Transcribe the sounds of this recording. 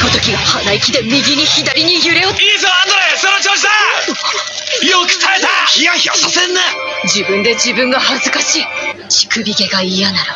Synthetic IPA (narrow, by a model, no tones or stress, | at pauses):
kot̪o̞kʲiɡahanaikʲid̪e̞mʲiɡʲiɲ̟içid̪aɾʲiɲ̟ijɯɾe̞oiːzoːãnd̪oɾasonot͡ɕoːɕid̪a | jokɯ̥saet̪aijaçiasasenːa | d͡ʑibɯ̟̃nd̪e̞d͡ʑibɯ̟̃ŋɡahazɨkaɕiː | t͡ɕi̥kɯ̟bʲiɡe̞ɡaijanaɾɯ̟